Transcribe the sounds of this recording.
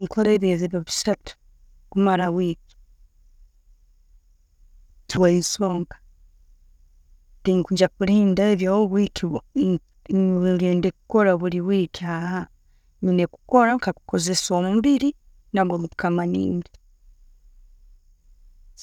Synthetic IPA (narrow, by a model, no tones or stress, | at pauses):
ŋkʰoɾeβezeβjoβisatu̥ | kumaɾawiːki̥ | tʰwaisoːŋɡḁ | tiŋkuɲd͡ʒakuɾiːndaeβjahoβwikiβo | ɾeːndekuko̞ɾaβuɾiβwiːkiaha | ɲineku̥ko̞ɾakaku̥koze̞somumβiɾi | naβɡomutu̥kamanḭːndi